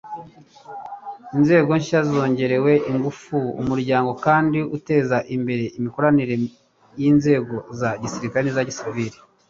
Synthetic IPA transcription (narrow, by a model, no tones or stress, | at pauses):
inze̞ːɡo̞ɲʃazo̞ːɲɟe̞ɾe̞we̞ʔiŋɡufuṵmuɾɟaːŋɡo̞kaːndiʔute̞ːzaʔimbe̞ɾe̞imiko̞ɾaniɾe̞ | jinze̞ːɡo̞zaɟisiɾikaɾenizaɟisiviɾi